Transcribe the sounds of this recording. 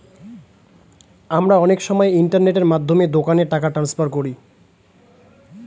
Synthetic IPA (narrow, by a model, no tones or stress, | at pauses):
amɾaɔnekʃɔmɔeiɳʈaɾneʈeɾmad̪ʱːomed̪okaneʈakaʈɾanspaɾkoɾi